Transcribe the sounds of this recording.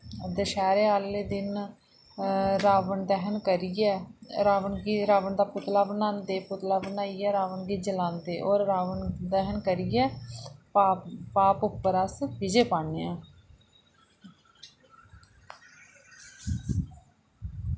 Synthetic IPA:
d̪əʃɛːɾeːaːlːeːd̪ɪn | ɾaːʋəɳd̪ɛɦənkəɾiɛːɾaːʋənɡiɾaːʋəɳd̪aːpʊt̪laːbənãːnd̪eːpʊt̪laːbənaːiːɛːɾaːʋənɡiːd͡ʒəlãːnd̪eːʔɔːɾːaːʋəɳd̪ɛɦənkəɾiɛː | paːpʊpːəɾaːskɪd͡ʒeːpaːɳeɛ̃ː

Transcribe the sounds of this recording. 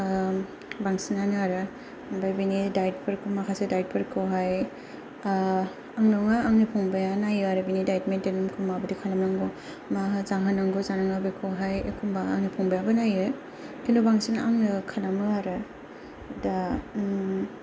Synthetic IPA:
baŋsinanaɾɯ | bajbinidajt̚pʰɯɾkʰɯmakʰasedajt̚pʰɯɾkʰoɦaj | aŋnɔŋaːŋnipʰɔŋbajanajɯaɾɯbinidajtmedenumkʰɯmabɯdikʰalamnaŋɡɔ | maɦɯzaŋɦanaŋɡozanaŋabejkʰɯɦajekʰumbaːŋnipʰɔŋbajabɯnajɯ | kʰinubaŋsinaŋnɯkʰalamɯaɾɯ | da

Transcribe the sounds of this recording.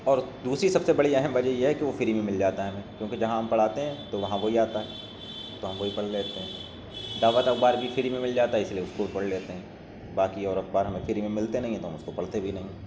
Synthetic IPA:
ɔːɾd̪uːsɾisɐbsebɐɽiɛɦɛmʋɐd͡ʒɛjeɦɛkiʋofɪɾimẽmɪld͡ʒaːt̪aɦɛɦmẽːkjõːked͡ʒɐɦãɦɐmpɐɽ̤aːt̪eɦɛ̃ːt̪oʋɐɦãʋoɦiaːt̪aɦɛː | t̪oɦɐ̃mʋoɦipɐɽleːt̪eɦɛ̃ː | d̪aːʋət̪ɐk̚baːɾbʱifɪɾimẽmɪld͡ʒaːt̪aɦɛɪsilieʊskobʱipɐɽleːt̪eɦɛ̃ː | baːkiɔːɾɐk̚baːɾɦɐmẽfɪɾimẽmɪlt̪enɐɦĩɦɛ̃t̪oɦɐmʊskopɐɽ̤t̪ebʱinɐɦĩɦɛ̃

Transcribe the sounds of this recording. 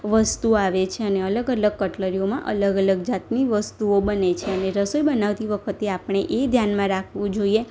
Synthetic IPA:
ʋəst̪uaʋet͡ʃʰeəneələɡələɡ̚kəʈləɾijomã̰ʔə̰ləɡələɡd͡ʒat̪niʋəst̪uobənet͡ʃʰeəneɾəsojbənaʋt̪iʋəkʰət̪eapɳ̃eʔed̪ʱjanmãɾakʰʋũd͡ʒoie

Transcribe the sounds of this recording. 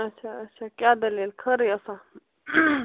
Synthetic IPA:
ɐt͡ʃʰaɐt͡ʃʰakʲjaːd̪ɐleːlkʰɐɾiəsã

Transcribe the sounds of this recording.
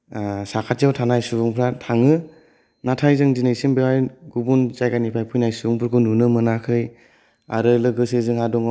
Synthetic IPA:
sakʰatijawtʰanajsubuŋpʰɾatʰaŋɯ | natʰajzɯŋzinejsimbewajɡubunzajɡanipʰajpʰujnajsubuŋpʰɯɾɡʰɯnunɯmɯnakʰɯj | a̰ɾɯlɯɡɯsezɯŋhadɔŋ

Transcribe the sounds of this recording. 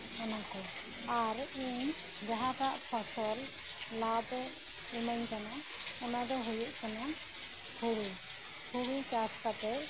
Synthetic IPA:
ɔnakɔ | aɾuɲ | d͡ʒaɦat̪aʔpʰɔsɔl | lab̪ | umaɲkana | ɔnad̪ɔɦujuʔkana | k̪ʰuɽu | k̪ʰuɽut͡ʃast̪ap̪ɛ

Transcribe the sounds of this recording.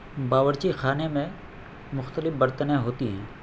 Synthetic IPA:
baːʋəɾt͡ʃixaːnemẽ | mʊxt̪əlɪfbəɾt̪ənɛ̃ɦoːt̪iɦɛː

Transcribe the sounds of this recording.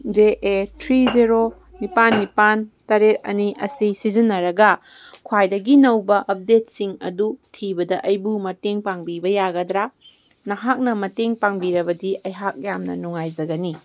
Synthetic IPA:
d͡ʒeʔetʰɾiziɾo | nipanːipantɐɾet̚ɐ̰niʔɐ̰sisizinːɐɾɐɡɐ | kʰwajdɐɡinɐwbɐʔɐp̚det̚siŋɐ̰dutʰibɐdɐʔɐjbumɐteŋpaŋbibɐjaɡɐdɾa | nɐɦak̚nɐmɐteŋpaŋbiɾɐbɐdiʔɐjɦak̚jamnɐ̰nuŋajzɐɡɐni

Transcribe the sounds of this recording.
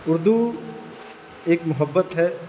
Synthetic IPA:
ʊɾd̪u | eːkmʊɦəbːət̪ɦɛ

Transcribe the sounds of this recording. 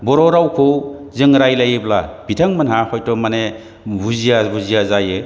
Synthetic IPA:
bɔɾɔɾawkʰɯwzɯŋɾajlajeblab̥itʰaŋmanɦahɔjtɔmane | buzijabuzijazajɯ

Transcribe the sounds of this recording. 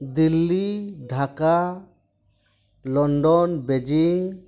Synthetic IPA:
d̪ilːiɖʱaka | lɔɳɖɔnbed͡ʒiŋ

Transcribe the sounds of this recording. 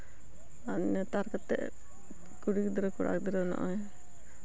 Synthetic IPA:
anːɛt̪aɾkat̪ɛ̰ʔ | kuɽikd̪ɾɔkuɽʔa̰k̚d̪ɛɾɔnɔ̰ʔɔj

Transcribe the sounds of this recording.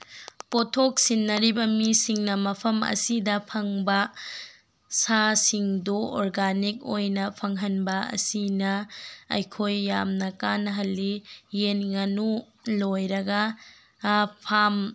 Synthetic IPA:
potʰok̚sinːɐɾibɐmisiŋnɐmɐpʰɐmɐ̰sidɐpʰɐŋbɐ | sasiŋduɔɾɡanik̚ojnɐpʰɐŋɦɐnbɐɐ̰sinɐɐ̰jkʰojːamnɐkanɐɦɐlːijenŋɐnu | lojɾɐɡɐ | pʰam

